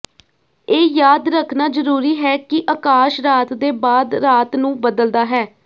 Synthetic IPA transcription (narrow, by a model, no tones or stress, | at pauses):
eːjaːd̪ɾəkʰnaːzəɾuːɾiːɦɛːkɪʔəkaːʃɾaːt̪d̪eːbaːd̪ɾaːt̪nũːbəd̪əld̪aːɦɛː